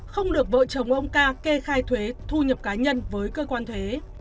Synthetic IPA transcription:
xə˧wŋ͡mɗɨ˨˩ək̚və̰ː˧˨t͡ɕə˨˩wŋ͡mʔə˧wŋ͡mkaː˧ke˧xaː˧jt̪ʰwe˨˦t̪ʰu˧ɲə˨˩p̚kaː˨˦ɲə˧nvəː˨˦jkəː˧kwaː˧nt̪ʰwe˨˦

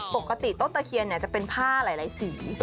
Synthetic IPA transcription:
po˨˩kːa˧t̪i˨˩t̪o˥˩t̪ːa˧kʰi˧əni˥˩t͡ɕa˨˩pe˧npʰaː˥˩laː˩˦jlaː˨˦jsiː˩˦

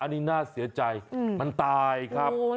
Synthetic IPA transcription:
ʔa˧nːiː˦˥naː˥˩si˩˦ɐt͡ɕa˧jma˧nt̪aː˧jkʰɾa˦˥

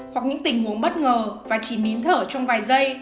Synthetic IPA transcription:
hwa˨˩k̚ɲɨ̰˧˥ŋt̪ï˨˩ŋ̟mu˨˦ənɓə˦˥t̚ŋəː˨˩vaː˨˩t͡ɕi˧˩ni˨˦ənt̪ʰəː˧˩t͡ɕɔ˧wŋ͡mvaː˨˩jzə˧j

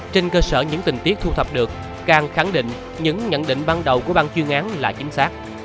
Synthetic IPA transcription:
t͡ɕe˧nkəː˧səː˧˩ɲɨ̰˧˥ŋt̪ï˨˩ŋ̟t̪i˦˥k̚t̪ʰu˧t̪ʰə˨˩p̚ɗɨ˨˩ək̚ːaː˨˩ŋxa˧˩ŋɗḭ̈˧˨ŋ̟ | ɲɨ̰˧˥ŋɲə̰˧˨nɗḭ˧˨ŋ̟va˧nɗə˨˩wku˧˩əɓaː˧nt͡ɕwi˧əŋʔaː˨˦nlaː˨˩t͡ɕï˨˦ŋ̟saː˦˥k̚

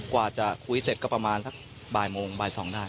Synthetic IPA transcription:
kwaː˨˩t͡ɕa˨˩kʰu˧˥˦se˨˩t̪̚kɔː˥˩pɾa˧maː˧nsa˦˥k̚ | baː˨˩jmoː˧ŋbaː˨˧˩jsɔː˩˦ŋdaː˥˩

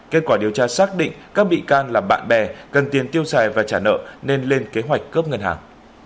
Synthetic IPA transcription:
ke˦˥t̚kwaː˧˩ɗi˨˩əwt͡ɕaː˧saː˦˥k̚ɗḭ̈˧˨ŋkaː˦˥k̚ɓḭ˧˨kaː˧nlaː˨˩ɓa̰ː˧˨nɓɛ˨˩kə˨˩nt̪i˨˩ənt̪i˧əwsaː˨˩jvaː˨˩t͡ɕaː˧˩nə̰ː˧˨ne˧nle˧nke˨˦ɦwa˨˩jk̟kːəː˦˥p̚ŋə˧nhaː˨˩ŋ

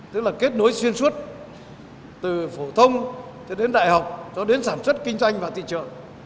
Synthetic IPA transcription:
t̪ɨ˦˥k̚laː˨˩ke˦˥t̚no˨˦jswi˧ənswə˦˥t̚ | t̪ɨ˨˩fo˧˩t̪ʰə˧wŋ͡m | t͡ɕɔ˧ɗe˨˦nɗa̰ː˧˨jha˨˩wk͡p̚t͡ɕɔ˨˧˦ɗe˨˦nsaː˧˩nswə˦˥t̚kï˧ŋ̟zwa˧jŋ̟vaː˨˩t̪ḭ˧˨t͡ɕə̰˧˨ŋ

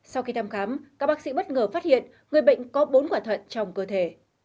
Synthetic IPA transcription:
sa˧wxi˧t̪ʰaː˧mxaː˨˦mkaː˦˥k̚ɓaː˦˥k̚sḭ˧˥ɓə˦˥t̚ŋəː˨˩faː˦˥t̚hḭ˧˨ən | ŋɨ˨˩əjɓə̰˧˨jŋ̟kɔ˨˦ɓo˨˦nkwaː˧˩t̪ʰə̰˧˨nt͡ɕɔ˧wŋ͡mkəː˧t̪ʰe˧˩

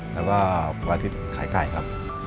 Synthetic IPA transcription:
pɛː˦˥waː˥˩˧aː˧t̪ʰi˦˥t̪̚kʰaː˩˦jka̰˨˩jkʰa˦˥p̚

